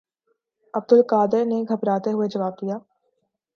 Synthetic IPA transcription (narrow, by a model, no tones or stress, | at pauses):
ɐb̚d̪ʊlkaːd̪əɾneɡʱɐbɾaːt̪eɦʊed͡ʒɐʋaːb̚d̪ijaː